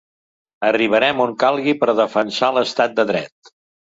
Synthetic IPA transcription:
əriβ̞əɾɛmoŋkalˠɣipəɾðəfənsaləst̪at̪̚d̪əðɾɛ̰t̪

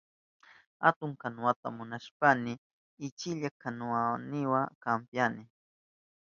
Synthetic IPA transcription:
ha̰t̪ʊŋkanʊwat̪a̰mʊnaʃpanɪ | ɪt͡ʃɪʎakanʊanɪwakampjanɪ

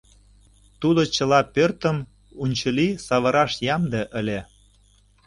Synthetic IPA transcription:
t̪ud̪ot͡ɕə̆lɑpørt̪əm | unʲt͡ɕəlisɑβə̆ɾɑʃjɑmd̪eʔəlʲe

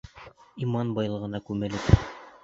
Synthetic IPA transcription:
imɑnbɑjlˠɤ̆ʁɤ̆nɑkʉmɘ̆lɘp

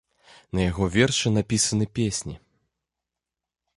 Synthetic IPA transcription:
nɐjaɣɔvʲɛrʂɨnapʲisɐnɨpʲesʲnʲi

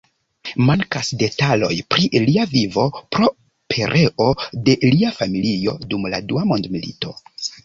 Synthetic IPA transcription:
maŋkasde̞talo̞jpɾiʔliavivo̞pɾo̞ | pʰe̞ɾʔe̞ʔo̞de̞liafamilio̞dumladuamo̞ndmilḭto̞

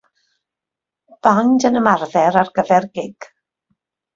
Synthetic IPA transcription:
b̥andənəmarðɛɾarɡ̥əvɛrɡɪɡ̥

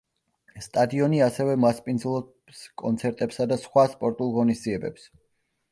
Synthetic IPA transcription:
st̪ʼad̪iɔniasɛvɛmaspʼind̪zlˠɔ | skʼɔnt̪sʰɛɾt̪ʼɛpsad̪asχwaspʼɔɾt̪ʼulˠʁɔnisd̪ziɛbɛps

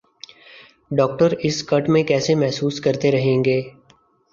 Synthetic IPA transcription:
ɖɔːk̚ʈəɾɪskɐʈmẽkɛːsemɛɦsuːskɐɾt̪eɾɐɦẽːŋɡeː

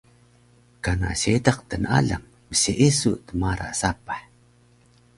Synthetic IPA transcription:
kana̰ɕedaq̚tənʔa̰ɮa̰ŋ | məsiʔisuʔt̪əmaɾa̰ʔsapaħ

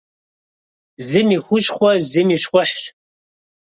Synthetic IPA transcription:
zɨmiːxʷʊʃʼχʷɔzɨmiːʂχʷʊħɕ

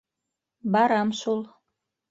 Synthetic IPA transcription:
bɑɾɑmʃulˠ

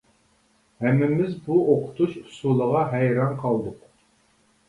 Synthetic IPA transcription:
hɛmːɪmɪzbuoqʰʊ̥t̪ʰuʃu̥sulˠəʁɑɦɛjɾɑnqʰɑlˠd̪ʊq

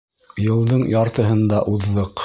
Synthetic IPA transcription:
jɤ̆lˠd̪ɤɴjɑɾt̪ɤ̆ɦɤ̆nd̪ɑʔuðːɤq

